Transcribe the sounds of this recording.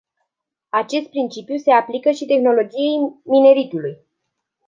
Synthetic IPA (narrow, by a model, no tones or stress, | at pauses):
at͡ʃe̞st̪̚pɾint͡ʃipjuse̞aplikəʃit̪e̞xno̞lo̞d͡ʒije̞jmine̞ɾit̪uluj